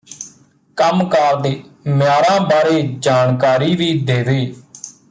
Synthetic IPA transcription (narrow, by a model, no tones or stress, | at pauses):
kəmkaːɾd̪eːmjaːɾãːbaːɾeːd͡ʒaːnkaːɾiːʋiːd̪eːʋeː